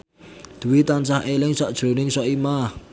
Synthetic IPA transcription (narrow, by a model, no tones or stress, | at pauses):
d̪̥uwit̪ansaɦelɪŋsɔʔd̥ʒ̥ɾonɪŋsɔʔima